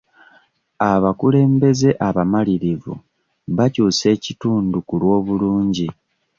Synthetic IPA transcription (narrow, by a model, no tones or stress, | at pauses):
aβakule̞ːmbe̞ze̞ʔaβamaliɾivṵ | βacuːse̞ːcituːndukulwo̞ːβuluːɲɟi